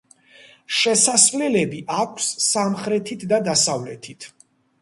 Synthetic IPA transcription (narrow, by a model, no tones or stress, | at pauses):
ʃɛsasvlɛlɛbiʔakʷʰsːamχɾɛt̪ʰit̪ʰd̪ad̪asavlɛt̪ʰit̪ʰ